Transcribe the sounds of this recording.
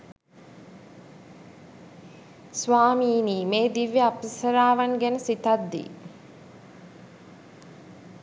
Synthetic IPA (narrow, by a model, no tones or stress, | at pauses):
sʋaːmiːniːmeːd̪iʋːeapəsɐɾaːʋanɡænəsit̪ad̪ːḭː